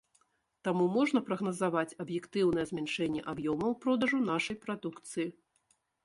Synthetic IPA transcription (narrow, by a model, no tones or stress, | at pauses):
t̪amumɔʐnɐpɾɐɣnɐzavat͡sʲɐbjɛkt̪ɨwnɐjɛzʲmʲanʂɛnʲːɛʔabjɔmɐwpɾɔd̪ɐʐunaʂɐjpɾad̪ukt̪sɨji